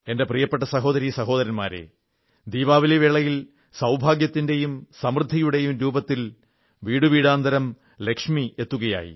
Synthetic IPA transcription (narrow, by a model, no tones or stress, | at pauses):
e̞nde̞prijɐpːeʈːɐsɐɦo̞ːðɐɾisɐɦo̞ːðɐɾɐnmaːɾḛ | d̪iːʋaːʋileʋeɭɐjil | sɐwbʱaːɡjɐt̪ːinde̞jumsɐmrɨd̪ʱːijuɽe̞jumɾuːbɐt̪ːil | ʋiːɽuʋiːɽaːnd̪ɐɾɐm | le̞kʂmie̞t̪ːuɣɐja̰ːjḭ